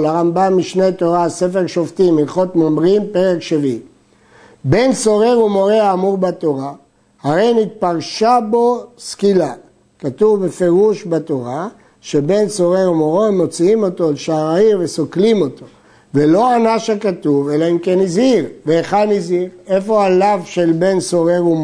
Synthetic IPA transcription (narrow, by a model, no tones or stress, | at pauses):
laʁambamːiʃne̞t̪o̞ʁase̞feʁʃo̞ft̪imilχotmomʁimpe̞ʁekʃevim | be̞nso̞ʁeumo̞ʁeaːmuʁbat̪o̞ʁa | haʁe̞jnit̪̚paʁʃabo̞skila | kat̪uvbefe̞ʁuʃbat̪o̞ʁa | ʃe̞be̞nso̞ʁeumoʁoemːo̞t͡siimo̞t̪o̞lʃaːʁaimvesoklimo̞t̪o̞ | velo̞anaʃakat̪uve̞laimkenizhiʁveːχadnizhiʁe̞fo̞alavʃe̞lbe̞nso̞ʁeum